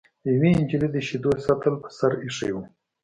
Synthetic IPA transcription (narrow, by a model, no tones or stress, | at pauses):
jaweɪnd͡ʒilid̪əʃid̪osat̪əlpə̥saɾiʂə̰jwu